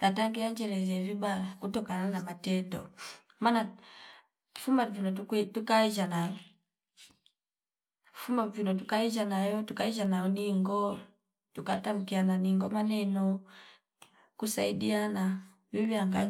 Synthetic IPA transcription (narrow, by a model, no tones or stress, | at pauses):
nataŋɡiaɲd͡ʒɛlɛzɛvibaakutɔkananamatɛdɔ̰ | mana | fumavjunɔutukaiʒanajɔ | fumavinɔt̬ukaiʒanajɔtukaiʒanaɔniŋɡɔ | tukatam̩kiananiŋɡɔmanɛnɔ | kusaidiana | viβiaŋɡa